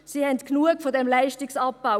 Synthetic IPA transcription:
siːhɛntknuəkfodɛmlaɪʃtɪksɑp̚baʊ

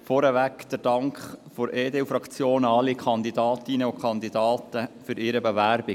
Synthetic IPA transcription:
fɔɾɛʋækd̪̥əɾd̥ɑŋkχfɔɾʔeːdeufɾɑkt͡sjoːnɑlːikʰɑnd̪idɑːtinəokʰχɑnd̪idɑːtəfʏɾɪːɾəbevæɾbi

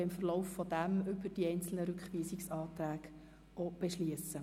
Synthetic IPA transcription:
ɪmfərloʊfːɔd̥̪æmʏbəɾd̥iɛɪnt͡sl̩nəɾʉkχʋiːsɪksɑːt̪ɾæːɡ | ob̥eʃliəsə

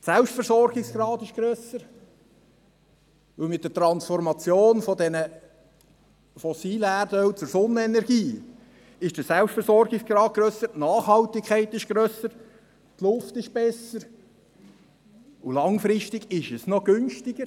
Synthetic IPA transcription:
sɛlpʃtfəɾsɔrɡɪksɡ̥ɾɑːd̪ɪʃɡ̥ɾœsəɾ | ʋɵlmɪt̪̚d̥̪ət̪ɾɑnsfɔɾmɑt͡sjoːnfɔd̪ɛnə | fɔsiːləærdœwt͡sʊɾsɔnːəɛnɛɾɡiː | ɪʃd̥əsɛlpsʃtfɛɾsɔɾɡɪksɡ̥ɾɑːd̚ɡ̥ɾøːsəɾtnɑːχhɑlt̪ɪkʰæɪtɪʃɡ̥ɾøːsəɾ | tlʊftɪʃb̥ɛsəɾ | ulɑŋfɾɪʃtɪɡ̥ɪʃəsnɔɡʏnʃtɪɡ̥əɾ

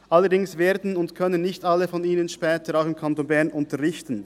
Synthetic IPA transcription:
ʔalːədɪŋsveːdn̩ʊntkʰœnənːɪçtalːəfɔniːnənʃpɛːtəɾaʊxɪmkʰantoːnbɛɐʁnʔʊntəʁɪçtn̩

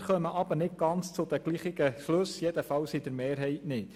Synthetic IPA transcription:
χœməʔɑbəɾnɪt̚ɡ̥ɑnt͡st͡sʊd̪əɡ̥liːχɪɡəʃlɵsjɛd̥̪əfɑwsid̥̪əɾmeːɾɦɛɪtnɪt

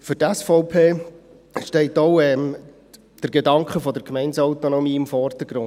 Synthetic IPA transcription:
fʏɾtæsfɔʊpʰeː | ʃtɛɪtɔʊɛm | d̥əɾɡedɑŋkχəfɔdəɾkmɛɪnsɔwt̪onɔmiːɪmfɔrd̥əɡ̥ɾʊn

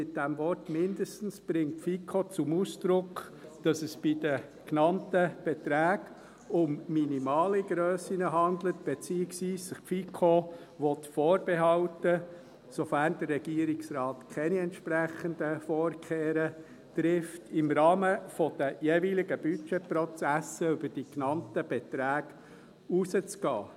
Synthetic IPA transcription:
sɪt̚d̥æmvɔrtmɪndəstn̩sb̥ɾɪŋtfikʰot͡sʊmuːsd̪̥ɾʊk | d̥ɑsəsb̥id̥ə | knɑntəb̥ɛtɾæːɡ | ʊmminimɑːliɡɾøːsinəɦɑnd̪lətb̥et͡siːəksʋiːsːɪχfikʰo | ʋɔtfoːɾb̥eɦɑltə | sɔfæːndərːɛɡ̥iəɾɪksrɑːt̪kʰɛniɛntʃpræχənd̪əfoːrkʰeːɾə | trɪftʰɪmɾɑːməfɔd̥əjeːvilɪɡəb̥yt͡ʃɛprɔt͡sæsəʏbəɾd̥iknɑntəb̥ɛt̪ɾæːɡ̥ | usət͡skɑ̰ː

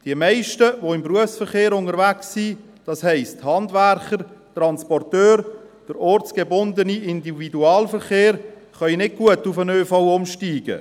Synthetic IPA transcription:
d̥iəmɛɪʃtəvoɪmbruəfsfəɾχeːɾʊnəɾvæksːi | d̥ɑshɛɪsthɑndvæɾχəɾtrɑnspɔrtøːɾ | d̥əɾɔɾt͡sɡ̥ebʊndəniʔɪndividuɑːlfəɾχeːɾ | χœjnɪɡ̚ɡ̥uətʊfənøːfaʊʊmʃtiːɡ̥ə̰

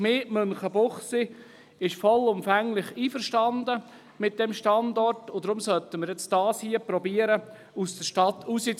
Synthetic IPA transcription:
meːmɵnχəbʊχsi | ɪʃfɔlʊmfæŋlɪχiːfəɾʃtɑndə | mɪt̚d̥ɛmʃtɑndɔrtʊd̥̪ɾʊmsœt̪əməɾjɛt͡sd̥ɑːshiəpɾɔbiːəɾə | usd̥̪əʃtɑt̪ːʰusit͡s

